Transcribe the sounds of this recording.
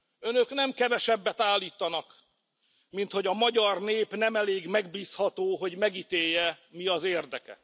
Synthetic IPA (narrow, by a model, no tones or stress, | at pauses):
ønø̞knɛmkɛvɛʃɛbːɛt̪aːlːiːt̪ɒnɒk | mint̪ho̞ɟɒmɒɟɒrneːpnɛmɛleːɡmɛɡbiːshɒt̪oːɦo̞ɟmɛɡit̪eːjːɛmiɒzeːrd̪ɛkɛ̰